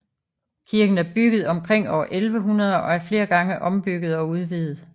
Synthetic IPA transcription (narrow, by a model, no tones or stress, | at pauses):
kʰiɐɡ̥n̩æɐb̥yɡ̥ð̞̩ˠɒ̽mkʰʁeŋ̰ɒ̰ʊ̰ɐʔelʋəɦunɐð̞ˠɐʔɒ̽æɐfle̝ːɐɡ̥ɑ̈ŋəʔɒ̽mb̥yɡ̥ð̞̩ˠɒ̽uð̞ˠʋiðˠð̩ˠ